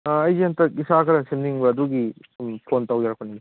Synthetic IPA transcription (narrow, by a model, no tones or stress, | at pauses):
ɐjziantɐɡisakʰɐɾɐsimniŋbɐːduɡi | pʰontawjaɾɐk̚pʰɐnidi